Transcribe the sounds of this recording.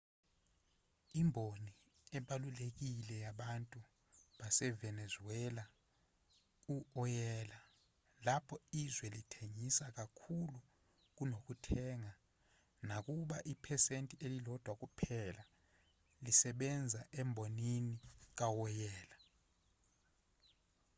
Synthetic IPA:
imbʱoni | ɛɓalulek̬ilɛjaɓantʼu | ɓasɛvɛnɛzuɛla | uɔjɛːla | lapʰɔizwɛlitʰeŋisak̬akʰulu | k̬unok̬utʰɛŋa | nak̬uɓaʔipʰɛsentʼiʔelilɔd̥ʱwak̬ʼupʰɛla | lisɛɓɛnd͡zʱaʔɛmbʱoninik̬awɔjɛːla

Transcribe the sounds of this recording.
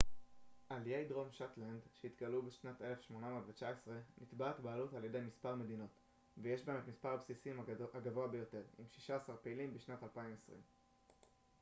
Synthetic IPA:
ʔalijejdʁo̞mʃotlandʃeit̪ɡalubeʃnate̞lefʃmo̞namotvet͡ʃaesʁe̞nit̪batbaːlutalje̞dejmispaʁme̞dino̞t | vejeʃbeemet̪mispaʁabsisimaɡavoabe̞jo̞te̞ʁḭmʃi̥ʃaːsaʁpeilimbeʃnatalpaimesʁḭm

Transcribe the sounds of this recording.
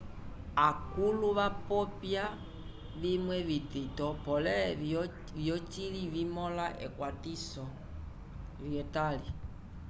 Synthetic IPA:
akuluβapɔpja | ʋimwɛvititɔpɔlɛ | vjɔt͡ʃilivimɔlaʔɛ̰kwatisɔ | viɛtali

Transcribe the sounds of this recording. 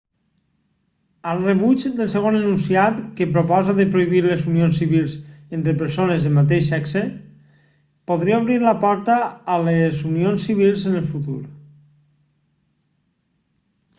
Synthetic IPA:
əlˠreβud͡ʒd̪elˠseɣ̞onənunsiat̪kepɾopɔzaðepɾoiβiɾlezunionsiβilˠzent̪ɾepəɾsonezemat̪̬eʃɛkse | poðɾiaoβ̞ɾiɾlapɔɾt̪aːlezunionsːiβ̞ilˠzənəlˠfut̪uɾ

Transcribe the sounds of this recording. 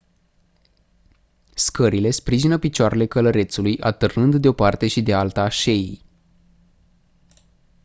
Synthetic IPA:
skəɾile̞spɾiʒinəpit͡ʃoaɾe̞le̞kələɾe̞t̪sulujʔa̰t̪ɨrnɨnd̪d̪eo̞part̪e̞ʃid̪ealt̪aʃe̞ij

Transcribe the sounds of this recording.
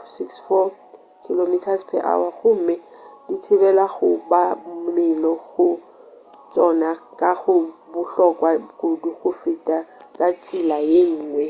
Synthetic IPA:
siksfɔ | kʰilomitʰaspʰɛ̰ʔa̰waɣʊm̩mɪ | ditʰɪbɛlaɣʊbamɪlɔɣʊ | t͡ʃʼɔnakʼaɣʊbʊɬɔkʼwakʊduɣʊfɪtʼa | kʼat͡sʼɪlajeŋ̩ːŋwɛ

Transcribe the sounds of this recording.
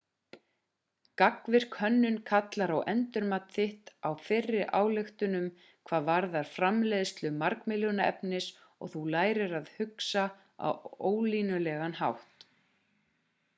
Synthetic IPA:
kakvɪɾ̥kʰhœnːʏnkʰat̪laɾawɛnt̪ʏɾmat̪θɪht̪awfɪrːɪʔa̰ːwlɪxt̪ʏnʏm | kʰvaːðvaɾðaɾ̥fɾamlɛðst̪lʏmaɾkmɪlʏnaɛ̰pnɪs | ɔ̰ɣθulaːjɾɪɾaðhʏksa | a̰woːwliːnʏlɛːɣanha̰wht̪

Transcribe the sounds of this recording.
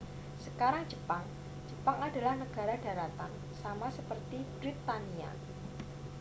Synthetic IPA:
səkaɾaŋ̥d͡ʒəpaŋ | d͡ʒ̥əpaŋada̤lahnəɡ̥a̤ɾaɖ̥a̤ɾat̪an | samasəpərt̪ib̥ɾɪt̪ːania̰

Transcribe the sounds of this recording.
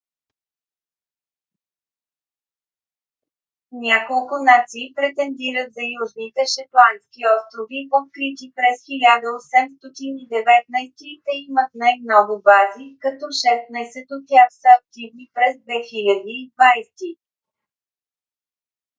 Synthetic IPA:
nʲakolˠkʊnat̪siːpɾɛt̪ɛnd̪iɾət̪zɐjuʒnit̪ɛʃɐt̪lˠanskʲiɔst̪ɾʊvivofkɾit̪ipɾɛsxilʲad̪əɔsɛmst̪ɔt̪inid̪ɛvɛt̪̚najst̪iːt̪ɛimət̪najmnɔɡʊbazikɐt̪ɔʃɛst̪najsɛt̪ot̪ʲjaxsəːk̚t̪ivnipɾɛzd̪vɛxilʲəd̪iːd̪vajst̪i

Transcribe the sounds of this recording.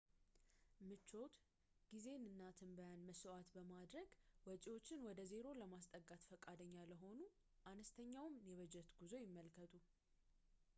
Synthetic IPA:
mɨt͡ʃːo̞t̪ | ɡ̥ize̞nɨnːat̪ʰɨmbəjanməsɔʔat̪bəmad̪ɾəɡwɔt͡ʃʼiwo̞t͡ʃːɪnwɔd̪əze̞ɾo̞ləmast̪ʼəɡːat̪fəkʼad̪əɲːaləɦo̞nu | ʔanəst̪ʰəɲːawmjɛβəd͡ʒɛt̪ɡ̥uzo̞jɪmːəlkʰət̪ʼu

